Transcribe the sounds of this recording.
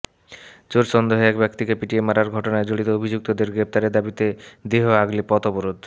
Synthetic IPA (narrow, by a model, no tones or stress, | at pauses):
d͡ʑoɾʃɔnd̪oɦeɛkbɛkt̪ikepiʈiemaɾaɾɡʱɔʈonaed͡ʑoɽit̪oobʱid͡ʑuk̚t̪od̪eɾɡɾep̚t̪aɾed̪abit̪ed̪eɦoaɡlipɔt̪ɔboɾod̪